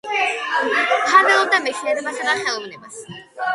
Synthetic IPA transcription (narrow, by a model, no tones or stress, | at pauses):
pʰaɾvɛɔb̚d̪amɛsiɛd̪basʰanaχɛɔbnɛbas